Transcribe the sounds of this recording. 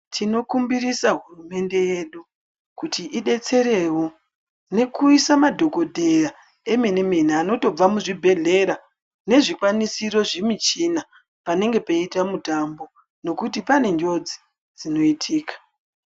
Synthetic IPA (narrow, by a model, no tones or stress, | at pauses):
tʰino̞kumbiɾisaɦurume̞nde̞je̞ɗu | kutiʔiɗe̞t͡se̞ɾe̞wo̞ | ne̞kuisamadʱo̞ko̞dʱera | e̞menemeniano̞to̞b͡vamuʐibʱe̞ɮe̞ɾa | ne̞ʐikwanisiro̞ʐemit͡ʃina | pane̞ŋɡe̞peitamutambo̞ | no̞kutipane̞ɲd͡ʒo̞d͡zi̥ | d͡zino̞itʰiːkḁ